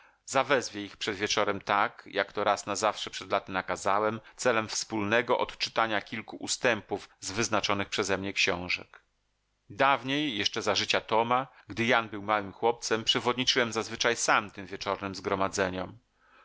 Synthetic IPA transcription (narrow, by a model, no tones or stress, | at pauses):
zavɛzvʲjɛixpʂɛd̪vʲjɛt͡ʂɔɾɛmt̪akjʔakt̪ɔɾasnazafʂɛpʂɛd̪lat̪ɘnakazawɛmt̪sɛlɛmfspulnɛɡɔʔɔ̰t̪t͡ʂɘ̥t̪aɲakʲilkuʔust̪ɛmpuvzvɘznat͡ʂɔnɘxpʂɛzɛmɲɛkɕɔ̃w̃ʐɛ̰k | d̪avɲejːɛʂt͡ʂɛzaʐɘt͡ɕat̪ɔmaɡd̪ɘjanbɘwmawɘmxwɔp̚t̪sɛmpʂɛvɔd̪ɲit͡ʂɘwɛmzazvɘt͡ʂajsamt̪ɘmvʲjɛt͡ʂɔɾnɘmzɡɾɔmad̪zɛɲɔm